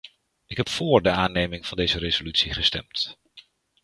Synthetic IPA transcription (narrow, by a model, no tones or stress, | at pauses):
ɪkɦɛpfʊːɹdəaːnejmɪŋv̥ɑndejzəɾezolytsiχəstɛ̰mt